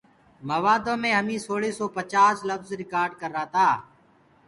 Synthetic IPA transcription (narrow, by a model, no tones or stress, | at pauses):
məʋaːd̪õːmẽːɦəmĩːsoːɭiːsoːpət͡ʃaːsləfzɾɪkaːɾɖkəɾːaːt̪aː